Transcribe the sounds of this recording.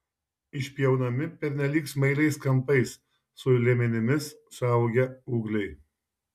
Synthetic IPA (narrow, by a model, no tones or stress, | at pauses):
ɪʃʲpʲjɛʊnɐmʲɪpʲɛɾʲnʲɛlʲiːksmɐɪɾɐɪskɐmpɐɪsː | ʊlʲemʲɛnʲɪmʲɪssɐˑʊɡʲɛuːɡlʲɛɪ